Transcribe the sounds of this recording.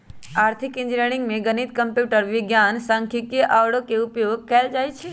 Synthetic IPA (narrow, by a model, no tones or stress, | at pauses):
aːɾt̪ʰɪkɪ̃nd͡ʒɾeːɽ̃ɪ̃ŋɡmẽɡənit̪kə̃mpjuːʈəɾʋɪɡjaːnsə̃ŋkʰikeʔaʋɽõkeʊpjoːɡ̚kɛːld͡ʒaːjt͡ʃʰe